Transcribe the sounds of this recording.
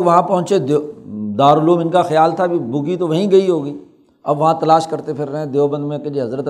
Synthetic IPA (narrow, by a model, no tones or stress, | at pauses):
kʋɐɦãpɐ̃ɦʊ̃t͡ʃed̪d̪aːɾʊloːmɪnkaxjaːlt̪ʰabʱibʊɡit̪oʋɐɦĩɡɐiɦoːɡiː | ɐbːɐɦãt̪ɐlaːʃkɐɾt̪epʰɪɾːɐɦɛ̃d̪eːobə̃nd̪mẽked͡ʒieɦɐzɾət̪